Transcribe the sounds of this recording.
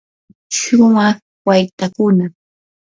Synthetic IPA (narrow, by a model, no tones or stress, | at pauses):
ʃʊmɑχ | wajt̪akʊna